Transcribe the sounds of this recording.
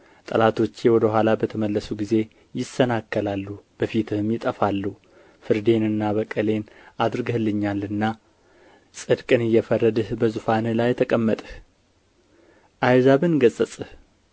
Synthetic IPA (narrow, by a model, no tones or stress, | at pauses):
t̪ʼəlat̪ʰo̞t͡ʃːewɔd̪əɦʷalabət̪ʰəməlːəsuɡize̞ | jɪsənakːəlalːub̥əfit̪ʰɨhmjɪt̪ʼəfalːuh | fɨɾd̪e̞nɨnːaβəkʼəle̞nad̪ɾɨɡəhlːɨɲːalɨnːa | sʼɨd̪kʼɨnɨjːɛfərːəd̪ɨhbəzufanlajɛt̪ʰəkʼəmːət̪ʼ | ʔajzaβɨnɡəsʼəsʼɨh